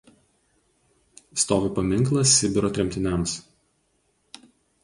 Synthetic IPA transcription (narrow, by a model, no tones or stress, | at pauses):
st̪oːʋʲɪpɐmʲɪŋˑklˠɐsːʲɪbʲɪɾɔːt̪ʲɾʲɛmʲt̪ʲɪnʲɛˑms